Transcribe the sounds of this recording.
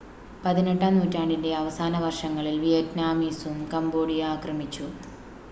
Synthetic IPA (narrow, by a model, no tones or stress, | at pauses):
pɐðineʈːaːnuːtːaːɳɖinde̞ɐʋɐsaːnɐʋɐrʂɐŋːɐɭilʋijɐtnaːmiːsumkɐmbo̞ːɽijaːkrɐmit͡ɕːu